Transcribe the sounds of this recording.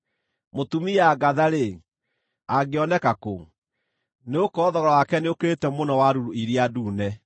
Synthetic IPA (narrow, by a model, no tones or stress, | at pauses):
motumiaɡaðaɾe | aɡeɔnɛkako | neokɔːðɔɾɔwakɛneoketɛmonɔwaɾuɾuiɾiaduːnɛ